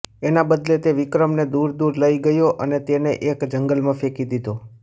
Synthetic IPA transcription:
enabəd̪let̪eʋɪkɾəmned̪uɾd̪uɾləiɡəjoʔənet̪eneʔekd͡ʒəŋɡəlmãfekid̪id̪o

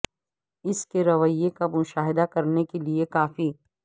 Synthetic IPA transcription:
ɪskeɾɐʋəjːekamʊʃaːɦɪd̪akɐɾnekeliekaːfi

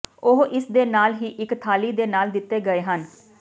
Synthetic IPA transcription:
ʊɦʔɪsd̪eːnaːlɦiːʔɪkt̪ʰaːliːd̪eːnaːld̪ɪt̪ːeːɡəeːɦən

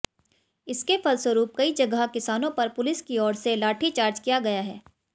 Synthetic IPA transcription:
ɪskefɐlswəɾuːp̚kɐid͡ʒɐɡəkɪsaːnõpɐɾpʊlɪskiɔːɾselaːʈʰit͡ʃaːɾd͡ʒkijaɡɐjaɦɛː

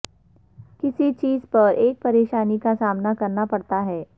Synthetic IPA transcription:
kɪsit͡ʃiːzpɐɾeːk̚pɐɾeːʃaːnikasaːmnakɐɾnapɐɽt̪aɦɛː

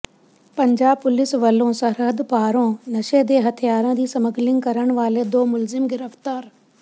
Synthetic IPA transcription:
pɐ̃ɲd͡ʑaːb̚pʊlɪsʋɐlõsɐɾɦəd̪paːɾõːnɐʃed̪eːɦɐt̪ʰijaːɾə̃d͡ʑiːsɐməɡlɪ̃ŋɡkɐɾəɽ̃ʋaːled̪oːmʊlzɪmɡɪɾəft̪aːɾ

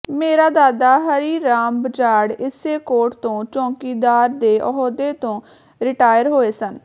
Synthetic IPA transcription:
meːɾaːd̪aːd̪aːɦəɾiːɾaːmbəd͡ʒaːɽɪseːkoːʈt̪õːt͡ʃɔ̃ːkiːd̪aːɾd̪eːʔəɦoːd̪eːt̪õː | ɾɪʈaːjəɾɦoːeːsən

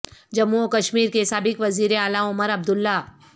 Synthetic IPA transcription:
d͡ʒɐmːuokɐʃmiːɾkesaːbɪkʋɐziːɾeaːlaʊməɾɐb̚d̪ʊlːa

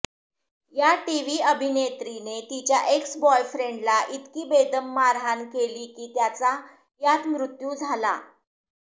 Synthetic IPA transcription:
jaʈiʋiːəbʱinet̪ɾinet̪it͡ɕjaʔeksbɔjfɾeɳɖlaʔit̪kiːbed̪əmːaɾɦankeliːkiːt̪jat͡sa | jat̪mɾut̪juːd͡zʱala̰

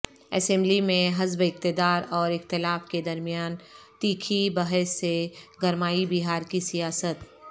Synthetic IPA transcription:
ɛ̰sɛ̃ːmblimẽɦɐzbɪk̚t̪ɪd̪aːɾɔːɾɪxt̪ɪlaːfked̪ɐɾmijaːnt̪iːkʰibɐɦɛsːeɡɐɾmaːibiɦaːɾkisijaːsət̪

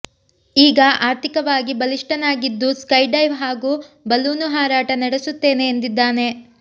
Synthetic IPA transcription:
iːɡɐʔaːɾt̪ʰikɐʋaːɡibɐliʂʈɐnaːɡid̪ːuskɐjɖɐjʋɦaːɡuːbɐlːuːnuɦaːɾaːʈɐnɐɽesut̪ːe̞ːne̞ːnd̪id̪ːaːne̞

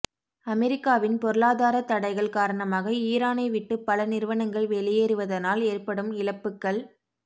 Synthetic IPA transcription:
ɐmɛɾɪkːaːʋɪnpɔɾɯɭaːðaːɾɐt̪ːɐɽɐɪɣɐɭkaːɾɐɳɐmaːɣɐiːɾaːnɐɪʋɪʈːɯpːɐlɐnɪɾɯʋɐnɐŋɡɐɭʋɛɭɪjeːɾɯʋɐðɐnaːleːrpɐɽɯmɪlɐpːɯkːɐɭ

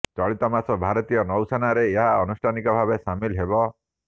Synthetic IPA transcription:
t͡ʃɔɭit̪ɔmasɔbʱaɾɔt̪ijɔnɔwsanaɾeːɦaɔnusʈʰanikɔbʱabesamilɦebɔ

